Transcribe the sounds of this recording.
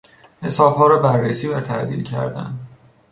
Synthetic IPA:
he̞sɒːb̥hɒːɾɒːbærːesiːvæt̪ʰæʔd̪ḭːlcʰæ̰ɾd̪æ̰nd̪

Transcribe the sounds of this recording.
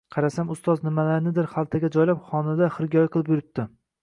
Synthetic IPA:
qʰɑɾasamʊst̪ɒznɪmalaɾnɪd̪ɪɾχalˠt̪ʰaɡʲad͡ʒɒjlapχɒnad̪aχɨɾɡʲɒjqʰɨlˠɪpjʊɾɪp̚t̪ɪ

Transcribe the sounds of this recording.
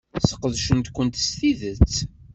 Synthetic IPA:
sə̥qəðʃənt̪kʷːənt̪st̪iðət͡sː

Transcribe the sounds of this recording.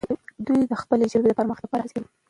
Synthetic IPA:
d̪ujd̪əxpəled͡ʒalbeləpəɾməxt̪apaɾazew

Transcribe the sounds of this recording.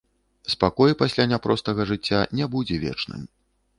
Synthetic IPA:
spakɔjpasʲlʲanʲapɾɔst̪ɐɣɐʐɨt͡sʲːa̰nʲɛbud͡zʲɛvʲɛ̰t͡ʂnɨ̰m

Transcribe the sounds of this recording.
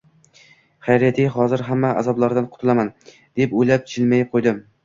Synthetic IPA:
χajɾat̪ʰiɦɒzɪɾɦamːaa̰zɒblˠaɾd̪anqʰʊt̪ʰɪlaman | d̪̥epojlap̚t͡ʃʰɪlmajɪp̚qʰojd̪ɪm

